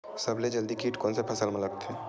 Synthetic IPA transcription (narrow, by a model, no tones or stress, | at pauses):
sɐbled͡ʒɐld̪ikiːʈkoːnsepʰɐsəlmɐlək̚t̪ʰeː